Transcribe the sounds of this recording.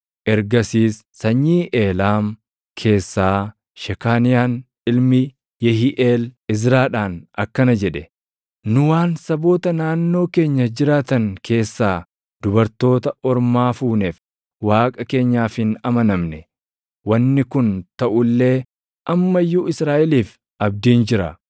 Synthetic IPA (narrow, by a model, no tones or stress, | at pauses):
ʔɛɾɡɐsiːsːɐɲːiːʔeːlaːm | kʰe̞ːsːaː | ʃɛkaːnɪjaːn | ɪlmɪ | jɛɦiʔeːlɪzɾaːᶑaːnɐkːɐnɐd͡ʒɛᶑɛ | nʊwaːnsɐbo̞ːt̪ɐnaːnːo̞ːke̞ːɲːɐd͡ʒɪɾaːt̪ɐŋkʰe̞ːsːaː | d̪ʊbɐɾt̪o̞ːt̪ɐʔɔɾmaːfuːneːf | waːkʼɐke̞ːɲːaːfɪnɐmɐnɐmnɛ | wɐnːɪkʊnt̪ɐʔʊlːe̞ː | ʔɐmːɐjːuːɪsɾaːʔɪliːf | ʔɐb̚d̪iːnd͡ʒɪɾɐ̰